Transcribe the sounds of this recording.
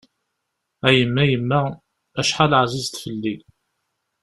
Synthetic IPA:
æjəmːæjəmːæ | æʃħalʕzizt̪fəlːi

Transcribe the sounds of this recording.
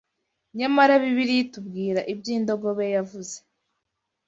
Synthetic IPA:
ɲamaɾaβiβiɾijitub̚ɡiːɾaʔibɟiːndo̞ɡo̞βe̞javuze

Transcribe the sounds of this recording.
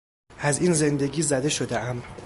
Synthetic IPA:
ʔæziːnze̞nd̪e̞ɡʲiːzæd̪e̞ʃo̞d̪eʔæm

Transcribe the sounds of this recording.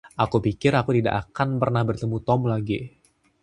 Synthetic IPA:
ʔakupikɪɾakut̪ida̰ʔakanpərnahbərt̪əmut̪ɔmlaɡi

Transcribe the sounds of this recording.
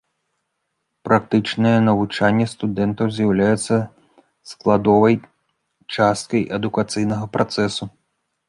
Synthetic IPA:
pɾʔakt̪ɨt͡ʂnɨjɛnɐvut͡ʂanʲːɛst̪ud̪ɛnt̪ɐwzʲjɐwlʲajɛt̪sːɐ | sklˠad̪ɔvɐj | t͡ʂast̪̚kɐjʔɛd̪ukat̪sɨjnɐɣɐpɾat̪sɛsu

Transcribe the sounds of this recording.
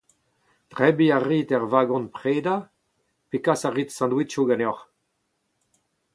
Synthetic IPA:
tʁɛbiaʁiːtɛʁvaːɡɔ̃npʁeːda | pekasaʁitsɑ̃nd̪witʃoɡanɔʁ

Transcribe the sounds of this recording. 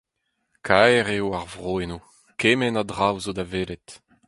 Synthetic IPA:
kʰaɛʁewaʁvʁoːeno | keːmɛnadʁawzodaveːlɛt

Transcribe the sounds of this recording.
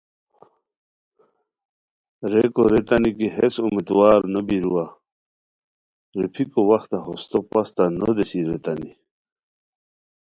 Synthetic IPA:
ɾekoɾet̪anikiɦesumit̪waːɾnobiɾuwa | ɾipʰikowɐxt̪aɦost̪opast̪anod̪esiɾet̪ani

